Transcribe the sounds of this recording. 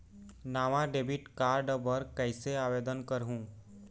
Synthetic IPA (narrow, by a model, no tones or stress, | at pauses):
naːʋãɖeːbiʈkaːɾɖəbəɾkəɪseaːʋeːd̪ənkəɾɦũː